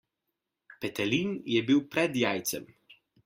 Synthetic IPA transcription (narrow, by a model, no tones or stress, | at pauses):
pɛt̪ɛlinjɛbiwpɾɛd̪jaːjt̪sɛ̰m